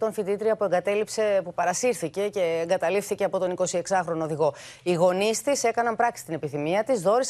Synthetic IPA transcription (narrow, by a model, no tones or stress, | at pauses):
t̪o̞nθit̪it̪ɾiɐpue̞ŋɡɐt̪e̞lipsepupɐɾɐsiɾθice̞ce̞ːŋɡɐt̪ɐlifθice̞ɐpo̞t̪o̞niko̞sie̞ksɐxɾo̞noðiɣo̞iɣo̞nist̪ise̞kɐnɐmpɾɐksi̥st̪ine̞piθimiɐt̪izðo̞ɾis